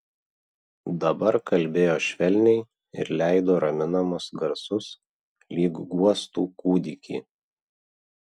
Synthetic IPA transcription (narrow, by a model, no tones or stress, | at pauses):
d̪ɐbɐɾkɐlʲˑbʲeːjoːʃʲʋʲɛlʲnʲɛɪ | ɪ̰ɾlʲæˑɪd̪oːɾɐmʲɪnɐmʊsɡɐɾsʊs | lʲiːɡɡuɔst̪uːkuːd̪ʲɪkʲḭː